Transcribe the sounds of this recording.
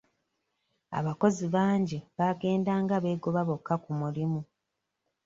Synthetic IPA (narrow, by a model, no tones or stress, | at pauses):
a̰βako̞ziβaːɲɟiβaɡe̞ːndaːŋɡaβe̞ːɡo̞βaβo̞kːakumulimu